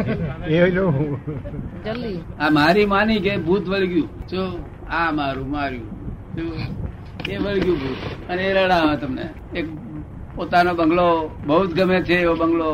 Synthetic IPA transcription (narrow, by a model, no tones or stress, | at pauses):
eonoɦũ | d͡ʒəlamaɾimanikebʱut̪ʋəɭɡjũt͡ʃo | amaɾũmaɾjṵ̃t͡ʃo | eʋəɭɡjũbʱuːt̪əneɾəɽaʋẽt̪əmnḛ | ek̚ | pot̪anobəŋɡlobəut̪ɡəmet͡ʃʰeːʋobəŋɡlo